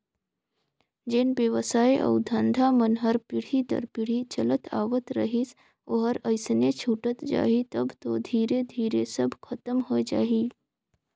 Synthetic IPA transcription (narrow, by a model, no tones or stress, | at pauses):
d͡ʒeːnbjəʋsaːjʔɔ̰ːd̪ʱə̃nd̪ʱamənɦəɾpɪɽ̤it̪ə̰ɾpɪɽ̤it͡ʃɐlət̪ʰa̰ːʋət̪ɾəɦis | oɦəɾɐɪsnet͡ʃʰuːʈət̪d͡ʒa̰ːɦit̪ɐbt̪od̪ʱiːɾed̪ʱiːɾesəbʱkʰɐt̪əmɦod͡ʒa̰ːiː